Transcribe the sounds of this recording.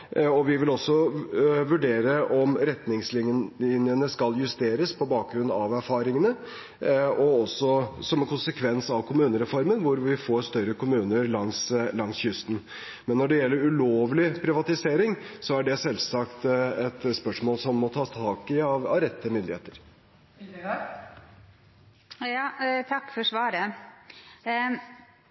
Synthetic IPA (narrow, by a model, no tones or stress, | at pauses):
ɔʋɪʋɪlɔsːɔʋʉɖeːɾəʔɔmɾɛt̪nɪŋslɪɪnjənəskɑljʉst̪eːɾəspʰɔbɑːk̚ɡɾʉnːɑʋæɾfɑːɾɪŋənə | ɔɔsːɔsɔmɛnkʰʊnsəkʰʋɛnsɑʋkʰʊmʉːnəɾɛfɔɾmənʋʊɾʋɪfoːɾst̪œɾəkʊmʉːnəɾlɑŋslɑŋsçʏst̪n̩ | mɛnːɔɖɛjɛlːəɾʉloːʋlɪpʰɾɪʋɑt̪ɪseːɾɪŋsɔæɖɛsɛlsɑkt̪ɛt̪spœʂmoːlsɔmːɔt̪ʰɑːt̪ʰɑːkɪɑʋɑʋɾɛt̪ːəmʏnd̪ɪheːt̪əɾ | jɑːt̪ʰɑkːfɔʂʋɑːɾə